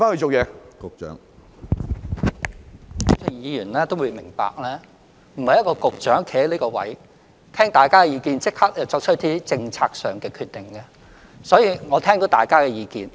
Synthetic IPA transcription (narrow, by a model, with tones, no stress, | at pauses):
faː˥nhɵ˧t͡ʃo˨wjɛː˨˧kʊ˨k̚t͡ʃœ̰ː˨˥ŋ˨ | t͡sʰɪ˨˧˩ŋjiː˨˧jyː˨˩nlɛː˥t̪o˥wuː˨˧mɪ˨˩ŋpa̰ː˨k̚lɛː˥ | m̩˨˩hɐ˨jɐ˥t̚kɔː˧kʊ˨k̚t͡ʃœː˨˥ŋkʰe˨˧˥hɐ˨˥liː˥kɔː˧wɐ̰˨˥j | t̪ʰɛː˥ŋt̪aː˨˩jkaː˥ɛ˧jiː˧kiː˧nt͡sɪ˥k̚hɐ˥k̚ɐ˨˩wt͡ʃɔː˧k̚t͡ʃʰɵ˥t̚t̪iː˥t͡sɪ˧ŋt͡sʰaː˧k̚sœː˨ŋkɛː˧kʰyː˧t̪ːɪ˨˩ŋkɛ˧ | sɔː˨˥jiː˨˧ŋɔː˨˧t̪ʰɛː˥ŋt̪o˨˥t̪aː˨jkaː˥kɛː˧jiː˨˧kiː˧n